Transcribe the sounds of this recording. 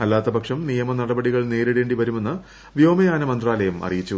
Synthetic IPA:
ɐlːaːt̪ːɐbʱɐkʂɐmnijɐmɐnɐɽɐbɐɽiɣɐɭne̞ːɾeɽe̞ːɳɖiʋɐɾume̞nːɐ | ʋjo̞ːmɐjaːnɐmɐnd̪raːlɐjɐmʔɐ̰rijit͡ɕːu

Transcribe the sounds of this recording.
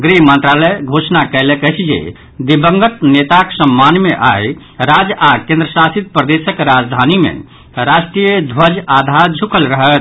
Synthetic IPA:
ɡɾiɦmənt̪ɾaləɡʱosnakəɪlekət͡ʃʰd͡ʒḛ | d̪ibəŋɡət̪net̪aksəmːanmeʔaj | ɾad͡ʒakẽnd̪ɾəsasit̪̚pɾəd̪esəkɾad͡ʒd̪ʱanimḛ̃ | ɾasʈɾijəd̪ʱwəd͡ʒad̪ʱaɾd͡ʒʱukʰəlɾəɦət̪

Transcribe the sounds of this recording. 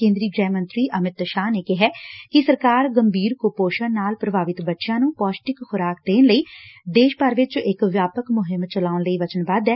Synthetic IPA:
ẽːnd̪ɾiːɡɾɛːmənt̪ɾiːʔəmɪt̪ʃaːneːkɪɦɛːkɪsəɾkaːɾɡəmbʱiːɾkoːpoːʃənnaːlpɾəbʱaːʋɪt̪bətːʃãːnũːpɔːsʈɪkxʊɾaːkd̪eːnləiːd̪eːʃpəɾʋɪt͡ʃɪkʋjaːpəkmʊɦɪmt͡ʃəlaːʊnləiːʋət͡ʃənbaːd̪ɛː

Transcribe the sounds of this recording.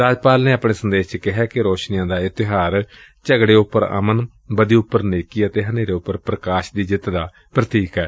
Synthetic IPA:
ɾaːd͡ʒpaːlneːapɳeːsənd̪eːʃt͡ʃəkɪɦɛːkɪɾoːʃnijãːd̪aːɪt̪ɪɦaːɾ | t͡ʃəɡɽeːʊpːəɾə̰mən | bəd̪iːʊpːəɾneːkiːət̪eːɦəneːɾeːʊpːəɾpɾəkaːʃd̪iːd͡ʒɪt̪d̪aː | pɾət̪iːkɛː

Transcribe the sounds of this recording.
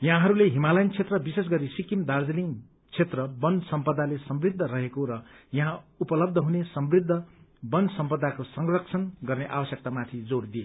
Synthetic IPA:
jaɦãɦʌɾuleɦimalʌjnt͡sʰet̪rʌbises̬ɡʌɾisikimd̪ard͡zʌni | t͡sʰet̪rʌbʌnsʌmpʌd̪alesʌmbrid̪ʱːʌrʌɦekoɾʌ | jʌɦãupʌlʌb̚d̪ʱʌɦunesʌmbrid̪ʱːʌbʌnsʌmpʌd̪ːakosʌŋrʌk̚t͡sʰʌnɡʌrneʔa̰bʌsjʌk̚t̪amat̪ʰid͡zord̪ije

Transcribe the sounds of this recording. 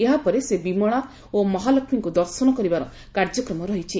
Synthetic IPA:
eɦapɔɾesebimɔɽ̃a | omɔɦalɔkʰmiŋkud̪ɔɾsɔnɔkɔɾibaɾɔ | kaɾd͡ʒɔkɾɔmɔɾɔɦit͡ʃʰi

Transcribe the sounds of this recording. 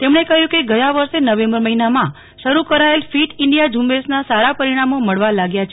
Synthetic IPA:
t̪emɳekəɦjũkeɡəjãʋəɾʃenəʋẽmbəɾməɦinamã | ʃəɾukəɾaelfiʈɪɳɖijad͡ʒũmbesnasaɾapəɾiɽ̃amoməɭʋalaɡjat͡ʃʰ

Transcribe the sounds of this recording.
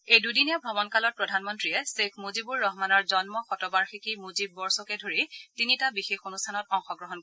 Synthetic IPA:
ejdujdinijabʱɔbɔnkalɔt̚pɹɔdʱanmɔntɹiɛsekʰmuzibuɹːɔɦmanɔɹzɔnmɔxɔtɔbaɹxikimuzibːɔɹsɔkɛdʱoɹitinitabixexonustʰanɔtɔŋxɔɡɹɔɦɔnk

